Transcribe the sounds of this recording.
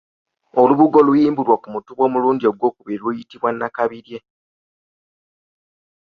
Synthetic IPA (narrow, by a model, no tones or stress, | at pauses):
oluβuɡo̞lujiːmbulwakumutuβwo̞ːmuluːndio̞ɡwo̞ːkuβiɾilujitiβwanːakaβiɾje̞